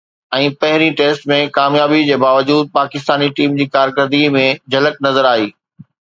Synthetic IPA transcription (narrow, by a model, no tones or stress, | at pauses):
ɛ̃ːpɐɦɪɾiʈeːsʈmẽkaːmjaːbid͡ʑeːbaːʋəd͡ʑuːd̪̚paːkɪst̪aːniʈiːmd͡ʑiːkaːɾkəɾd̪ɡimẽd͡ʑʱɐlək̚nɐzəɾaːɦiː